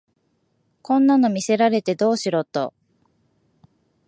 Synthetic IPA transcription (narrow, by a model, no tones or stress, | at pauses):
kõ̞nːano̞mʲise̞ɾaɾe̞t̪e̞d̪o̞ːɕiɾo̞t̪o̞̰